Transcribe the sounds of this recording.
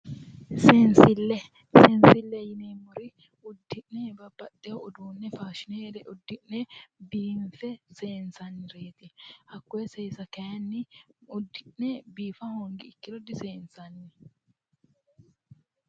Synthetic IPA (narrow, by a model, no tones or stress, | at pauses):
sensɪlːɛ | sensɪlːɛjɪnemːʊɾɪ | ʊd̪ːɪʔnɛbɐbːɐt̪ːɛɔʊd̪uːnːɛfaːʃɪneːd̪ɛʔʊd̪ːɪʔnɛbiːɱfɛseːnsɐnːɪɾeːt̪ɪhɐkːɔɛseːsɐkɐjɐnːɪʊd̪ːɪʔnɛbiːfɐhoːŋɡɪːkːɪɾɔd̪ɪseːnsɐnːɪ